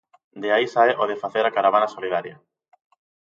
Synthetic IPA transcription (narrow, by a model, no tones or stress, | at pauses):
d̪eaisaɛʔoðefaθeɾakaɾaβ̞anasolið̞aɾja